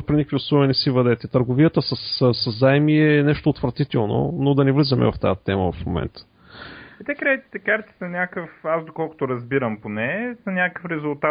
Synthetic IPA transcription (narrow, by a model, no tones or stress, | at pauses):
pɾinikvʲiʊslˠɔvinɛsivɐd̪ɛt̪ɛt̪əɾɡʊvijət̪əsɐssɐzːaɛmiɛnɛʃt̪oːt̪vɾɐt̪it̪ɛlˠno̰nod̪ɐnɛvlizəmɛ̰vɐft̪aət̪ɛmə̰vɐfmo̰mɛ̰nt̪ə̥ | ɛt̪ɛkɾɛt̪i̥t̪ɛkaɾt̪i̥sɐnʲakəfasd̪okɔlˠkʊ̥t̪oɾɐzbiɾəmponɛzɐnʲakə̥fɾɛzʊlˠt̪a